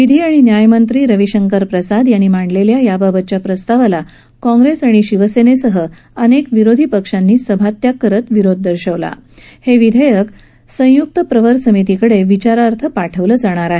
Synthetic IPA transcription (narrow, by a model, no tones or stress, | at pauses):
ʋid̪ʱiːaɽ̃injajmənt̪ɾiːɾəʋiɕəŋkəɾpɾəsad̪janːiːmaɳɖleljajababət̪̚t͡ɕjapɾəst̪aʋala | kɔ̃ŋɡɾesaɽ̃iɕiʋəsenesəɦə | ənekʋiɾod̪ʱipəkʂanːiːsəbʱat̪jakːəɾət̪ʋiɾod̪̚ʱːəɾɕəʋla̰ | heʋid̪ʱəjək | sə̃juk̚t̪əpɾəʋəɾsəmit̪ikəɽeʋit͡ɕaɾaɾt̪ʰəpaʈʰəʋləːd͡zaɽ̃aɾaɦe